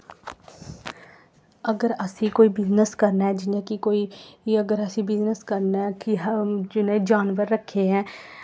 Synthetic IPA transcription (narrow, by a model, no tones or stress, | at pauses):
əɡəɾəsĩːkoːiːbɪznəskəɾnaɛːd͡ʒɪnẽːkɪkoːiːəɡəɾəsĩːbɪznəskəɾnɛːkɪd͡ʒɪnẽd͡ʒaːnʋəɾːəkʰːeːɛ̃ː